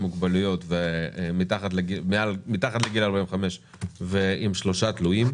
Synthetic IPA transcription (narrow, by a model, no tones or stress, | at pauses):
muɡbalujo̞t̪vemit̪aχat̪leɡimealmit̪aχat̪leɡilaʁbainveχame̞ʃ | veimʃlo̞ʃat̪lujim